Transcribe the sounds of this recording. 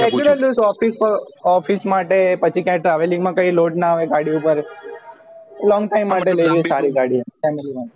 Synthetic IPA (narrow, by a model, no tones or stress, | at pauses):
ɛkt͡ʃuləlusɔfispəɾɔfismaʈepət͡ʃʰikjãʈɾaʋelĩŋmãkəiloʈnaːʋeɡaɽiupəɾ | lɔ̃ŋɡʈajmːaʈeləjʋiesaɾiɡaɽifɛmeliʋa